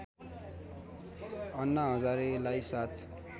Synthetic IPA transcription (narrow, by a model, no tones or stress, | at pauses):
ʌnːʌɦʌd͡zaɾelajsat̪ʰ